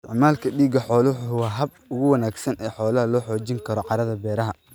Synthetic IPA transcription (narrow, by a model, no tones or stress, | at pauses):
ɪ̰ʕmaːlkʰɐɖiːɡɐħɔːlɐwħwɑːɦɐb̚ | ʊɣʊwɐnaːɡsɐnɛːħɔːlɐɦɐlɔːħɔːt͡ʃɪŋkʰɐɾɔqɑɾɐðɐbɛːɾɐɦɐ